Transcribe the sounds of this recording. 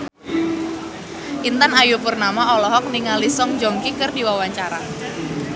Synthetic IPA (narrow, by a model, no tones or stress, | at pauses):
ʔint̪anajupurnamaɔlɔɦɔk̚niŋalisɔŋd͡ʒɔŋkikɨrdiwawaɲt͡ʃaɾa